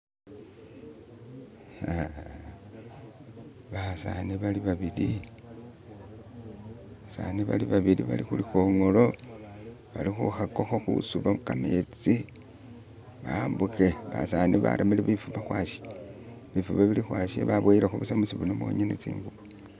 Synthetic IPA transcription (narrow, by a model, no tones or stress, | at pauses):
ha | βasa̰niβaliβaβili | βasa̰niβa̰liβaβiliβa̰lixulixoŋo̞lo̞ | βalixṵxako̞xoxṵsuβamukamet͡si | βambuxeβa̰saniβa̰ɾamiliβifuβaxwaʃi̥ | βifuβaβilixwaʃḛβaβweilaxuβusamusiβunomwo̰ɲenet͡sḭːŋɡuβu